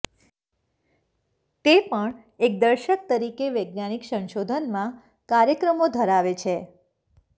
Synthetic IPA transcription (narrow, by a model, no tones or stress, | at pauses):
t̪epəɳ | ek̚d̪əɾʃək̚t̪əɾikeʋəjɡnaniksə̃nʃod̪ʱənmã | kaɾjəkɾəmod̪ʱəɾaʋet͡ʃʰe